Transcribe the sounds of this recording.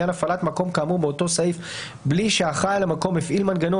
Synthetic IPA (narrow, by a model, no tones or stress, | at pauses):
anafalatmako̞mkaːmubeoto̞saif | bliʃeaχajlamako̞mefʔilmanɡano